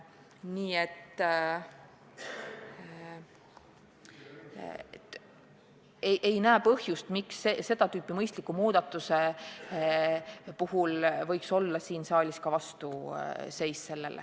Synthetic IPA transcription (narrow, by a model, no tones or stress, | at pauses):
niːet̪ | et̪ | eʔejnæːpɤ̞hjust̪miksese̞d̪̥ɑt̪yːpːimɤjst̪likːumuːd̪̥ɑt̪ːˑuse̞ | puhulvɤ̞jkso̞lːɑsiːnsɑːlʲiskɑvɑst̪use̞jsse̞lːḛl̰